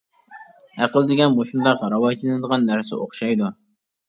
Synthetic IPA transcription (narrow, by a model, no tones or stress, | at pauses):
æqəlˠd̪ɪɡʲɛnmoʃund̪ɑqɾɑwɑjt̪lˠɨnɨd̪əʁɑnːæɾsɪ̰oχʃɑjd̪u